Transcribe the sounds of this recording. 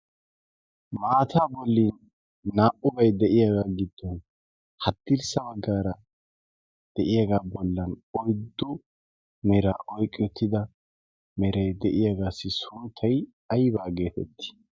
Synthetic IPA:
maːt̪ʰaːbɔlːiːnː | aːʔʊbɐjd̪ɛʔɪjaɡaːɡɪd̪ːɔn | hɐt̪ːɪɾsɐbɐɡːaːɾɐ | d̪̥ɛʔɪjaɡaːbɔlːɐnɔjd̪ːʊ | mɛɾaːʔɔjkʼːɪɔt̪ːɪd̪ɐ | mɛɾɐjd̪ɛʔɪjaɡaːsːɪsʊnt̪ʰːɐj | ɐjbaːɡe̞ːt̪ɛt̪ːɪ̥

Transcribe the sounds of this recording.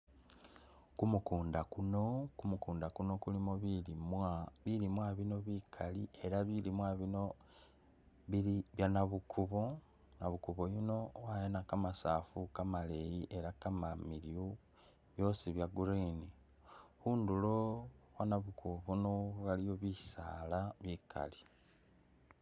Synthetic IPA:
kumukuːndakuno̞kumukuːndakuno̞kulimoβimβilimwaβino̞βikʰalie̞ɾaβilimwaβino̞ | βiiβjanaβukʰuβo | naβukuβojino̞wajenakamasafukamale̞jiʔe̞ɾakamamilju | βjo̞siβjaɡuɾini | huːndulo̞wanaβukuβonoβalijo̞βisalaβikʰa̰li

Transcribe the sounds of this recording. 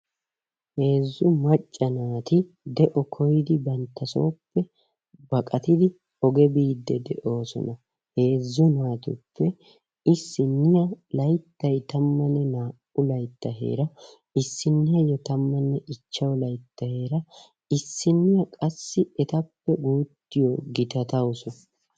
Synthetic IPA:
he̞ːzːʊmɐt͡ʃʼːɐnaːt̪ɪ | d̪ɛʔɔkʰɔjɪd̪ɪbɐnt̪ːɐso̞ːpːɛ | bɐkʼɐt̪ɪd̪ɪ | ɔɡɛbiːd̪ːɛd̪ɛ̰ʔo̞ːsɔ̰nɐ | he̞ːzːʊnaːt̪ʊ̰pːɛ | ɪsːɪnːɪjɐlɐjt̪ːɐjt̪ɐmːɐnːɛnaːʔʊlɐjt̪ːɐɦe̞̰ːɾɐ | ɪsːɪnːɐjɔt̪ɐmːɐnːɛʔɪt͡ʃːɐwlɐjt̪ːɐhe̞ːɾɐ | ɪsːɪnːɪjɐkʼɐsːɪɛt̪ɐpːɛɡuːt̪ːɪjɔɡɪt̪ɐt̪ɐwʊsʊ

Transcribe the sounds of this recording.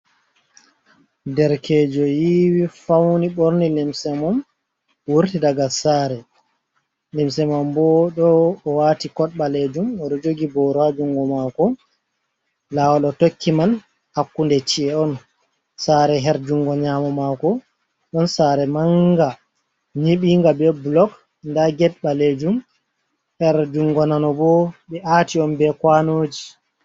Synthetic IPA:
dɛɾkʰɛːd͡ʒɔjiwifawniɓoɾnilimsɛmɔm | wuɾtidaɡasaːɾɛ | limsɛmɔmbɔɗɔːwatikɔɗɓaled͡ʒumɔɗɔd͡ʒoɡibɔɾad͡ʒuŋɡɔmakɔ | lawɔɗɔtokʰːiman | hakːundɛt͡ʃiɛɔn | saɾɛɦɛɾd͡ʒuŋɡɔɲamɔmakɔ | ɗɔnsaɾɛmaŋɡa | ɲiɓiŋɡabɛbulɔk | ndaɡɛt̚ɓaled͡ʒum | hɛɾd͡ʒuŋɡɔnanɔbɔɓɛʔaːtiɔnbɛkwanoːd͡ʒi

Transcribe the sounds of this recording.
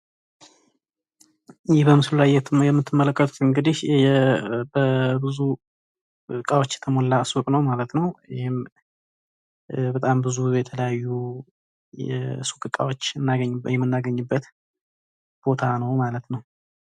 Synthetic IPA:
jɪhbəmɨsɨluajɛjɛmːɨt̪ʰːɨmːələkːət̪ʰu̥t̪ɨŋɡɨd̪ɪʃɛbəbɨzu | kʼawot͡ʃːɛ̥t̪ʰəmolːasukʼnəwmalət̪nəwɪhɪm | bət̪ʼambɨzujɛt̪ʰələjajːu | jɛ̰sukʼɨkʼːa̰wot͡ʃːɨnːaɡəɲːbjɛmːɨnːaɡəɲːɨbːət̪ | b̥o̞t̪ʰanəwmalət̪nəw

